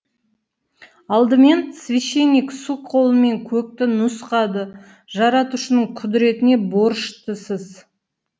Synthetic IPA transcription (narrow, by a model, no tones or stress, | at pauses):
ɑlˠd̪əme̞nsvʲiʃe̞nʲiksukqʰo̞lˠəme̞ŋkʲʰɵk̚t̪ɪnʊsqɑd̪ə | ʒɑɾɑt̪uʃənəɴqʰʊd̪ɪɾe̞t̪ɪne̞bo̞ɾʃt̪əsəz